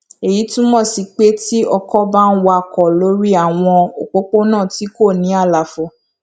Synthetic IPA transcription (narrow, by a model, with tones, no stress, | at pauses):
e˨ji˨˦tũ˦mɔ̃˦˨si˨˧k͡pe˦ti˦ɔ˧kɔ˦ba˦n̩˦wa˧˨kɔ˨lo˨˦ɾi˦a˦˨w̃ɔ̃˧o˨k͡po˦k͡po˦nãː˦˨ti˨˦ko˦˨nĩ˨˦a˦˨la˨fɔ˧